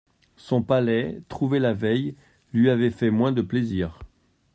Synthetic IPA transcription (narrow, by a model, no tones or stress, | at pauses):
sɔ̃palɛt̪χuvɛlavɛj | lɥiavɛfɛmwɛ̃d̪əpleziːʁ